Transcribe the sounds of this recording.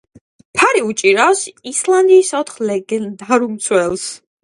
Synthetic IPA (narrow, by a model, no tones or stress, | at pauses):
pʰaɾiut͡ʃʼiɾasisland̪iːsɔt̪ʰχlɛɡɛnd̪aɾumt̪sʰwɛlˠs